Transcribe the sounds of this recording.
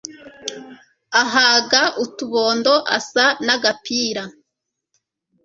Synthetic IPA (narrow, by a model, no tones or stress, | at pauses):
aɦaːɡaʔutuβoːndo̞ʔa̰sanaɡapiːɾa